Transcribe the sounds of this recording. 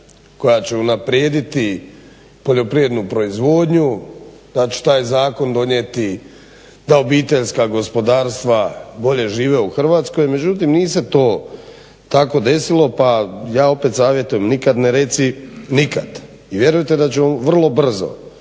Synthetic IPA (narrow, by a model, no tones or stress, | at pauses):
ko̞jat͡ɕe̞unapɾjeːd̪it̪i | po̞ʎo̞pɾie̞d̪nupɾo̞izʋo̞ːd̪ɲud̪̥at͡ɕe̥t̪aːjzaːko̞nd̪o̞ɲet̪i | d̪ao̞biːt̪e̞ʎskaɡo̞spo̞d̪aːɾst̪ʋabo̞ʎe̞ʒiːʋeuxr̩ʋaːt̪sko̞jme̞d͡ʑut̪imniːse̞t̪o̞ː | t̪ako̞d̪e̞silo̞pajaːo̞pet̪saːʋje̞t̪ujemnikad̪neɾe̞t̪sinikad̪ | iʋje̞ɾujt̪e̞d̪at͡ɕemamʋr̩lˠo̞br̩zo̰